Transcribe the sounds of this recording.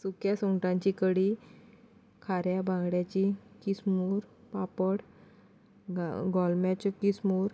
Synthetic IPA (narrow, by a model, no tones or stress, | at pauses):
sukjasɔŋʈãɲt͡ɕikəɽi | kʰaɾjabʱãŋɡɽjat͡ɕikismuːɾpapəɽ | ɡɔlmjat͡ɕɔkismuːɾ